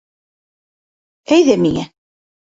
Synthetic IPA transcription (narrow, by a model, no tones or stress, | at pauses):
æjðæmiŋæ